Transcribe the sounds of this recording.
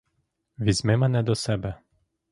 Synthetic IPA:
vizmemanɛd̪ɔsɛbɛ

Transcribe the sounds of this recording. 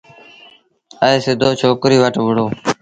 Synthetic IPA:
əeːseːd̪oːt͡ʃʰoːkɾiːʋəʈʋʊɽoː

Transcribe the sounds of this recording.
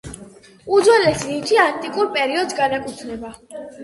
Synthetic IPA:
ud̪zwɛlɛslit̪ʰiant̪ʼikʼuɾpʼɛɾiɔd̪sɡanakʼut̪ʰnɛba

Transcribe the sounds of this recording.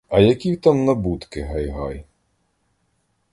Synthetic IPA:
ɐjɐkʲiwt̪amnɐbut̪kɪɦɐjɦɑj

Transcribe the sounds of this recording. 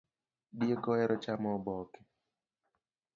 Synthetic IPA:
ɗiekɔɛɾɔt͡ʃamɔbɔkɛ̥

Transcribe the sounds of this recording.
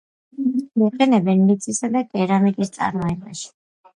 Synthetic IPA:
iqʼɛnɛbɛnlit̪sʰʼisad̪aɡʼɛɾamikʼist̪sʼa̰ɾmɔɛbaʃi̥

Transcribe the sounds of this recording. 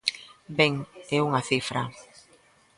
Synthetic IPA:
beŋɛuŋaθifɾa̰

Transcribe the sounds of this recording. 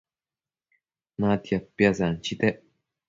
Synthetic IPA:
nãt̪japːjazant͡ʃit̪eʔ

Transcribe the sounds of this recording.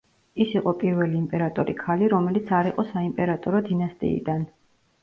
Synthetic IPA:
isiqʼɔpʼiɾvɛliːmpʼɛɾat̪ʼɔɾikʰaliɾɔmɛlit̪sʰaɾiqʼɔsaimpʼɛɾat̪ʼɔɾɔd̪inast̪ʼḭːd̪an

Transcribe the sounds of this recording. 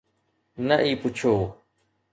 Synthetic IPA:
nəʔiːpʊt͡ʃʰoː

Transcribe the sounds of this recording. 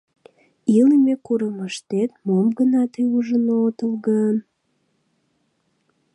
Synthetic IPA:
iləmekuɾəməʃt̪et̪̚momɡənɑt̪əuʒənot̪əlɣə

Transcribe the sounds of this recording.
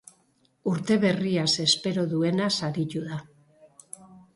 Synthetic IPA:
uɾt̪e̞β̞e̞riase̞spe̞ɾo̞ðue̞nasaɾituða

